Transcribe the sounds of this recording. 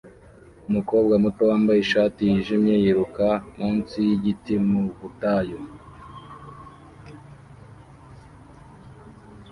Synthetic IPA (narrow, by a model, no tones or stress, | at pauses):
umuko̞ːb̚ɡamuto̞waːmbajiʃaːtijiʒimje̞jiɾukamuːnsijiɟitimuβutajo